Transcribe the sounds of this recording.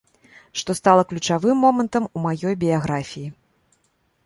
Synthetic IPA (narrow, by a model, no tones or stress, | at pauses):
ʂt̪ɔst̪alˠɐklʲut͡ʂavɨmːɔmɐnt̪ɐmumajɔjbʲijaɣɾafʲiji